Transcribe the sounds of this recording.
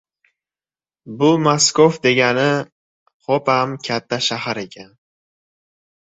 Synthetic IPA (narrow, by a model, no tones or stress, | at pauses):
bʊmaskofd̪e̞ɡʲanɪ | χopamkʲʰat̪ʰːaʃahaɾe̞kʲʰan